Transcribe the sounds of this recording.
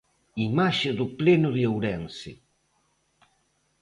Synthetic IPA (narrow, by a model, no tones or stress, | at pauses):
imaʃɪðʊplenʊðjowɾɛnsɪ